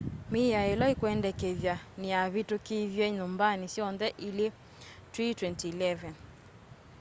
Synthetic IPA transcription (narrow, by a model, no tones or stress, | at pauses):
mijaɛlɔikwɛndɛkɛðjaniaβitukiðjɛɲumbanisjɔnðɛʔile | tɾitwɛntiilɛvɛn